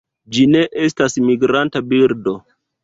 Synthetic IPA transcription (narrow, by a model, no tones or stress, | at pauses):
d͡ʒine̞ʔe̞stasmiɡɾantabiɾdo̞